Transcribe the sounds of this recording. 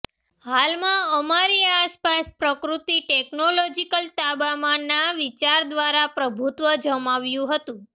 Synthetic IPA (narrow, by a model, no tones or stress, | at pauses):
halmãəmaɾiaspaspɾəkɾut̪iʈɛknolɔd͡ʒikəlt̪abamanːaʋit͡ʃaɾd̪ʋaɾapɾəbʱut̪ʋəd͡ʒəmaʋjũɦət̪ũ